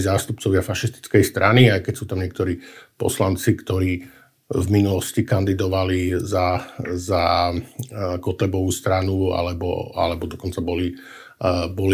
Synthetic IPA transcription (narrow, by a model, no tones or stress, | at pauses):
zaːst̪up̚t͡sɔʋɪafaʃist̪i̥t͡skɛjst̪ɾaniajkɛcsuːt̪amɲɪɛk̚t̪ɔɾiːpɔ̰slant͡sikt̪ɔɾiː | vminulɔscikand̪id̪ɔʋalizaza | kɔt̪lɛbɔʋuːst̪ɾanua̰lɛbɔ̰a̰lɛbɔd̪ɔkɔnt͡sabɔli | bɔl